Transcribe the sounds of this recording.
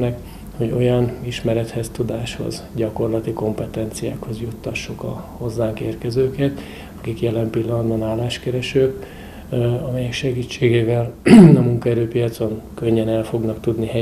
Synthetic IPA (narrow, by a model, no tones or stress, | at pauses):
nɛk | ho̞ɟo̞̰jɒniʃmɛɾɛt̪hɛst̪ud̪aːʃho̞̰zɟɒko̞rlɒt̪iko̞mpɛt̪ɛnt̪sija̰ːkho̞zjut̪ːɒʃːukɒ̰ho̞zːaːŋkeːrkɛzøːkɛt̪ | ɒkikjɛlɛmpilːɒnɒd̪bɒnaːlːaːʃkɛɾɛʃøːk | ɒmɛjɛkʃɛɡiːt͡ʃːeːɡeːvɛlɒmuŋkɒɛɾøːpijɒt̪so̞ŋkø̞ɲːɛnɛlfo̞ɡnɒkt̪ud̪niɦɛ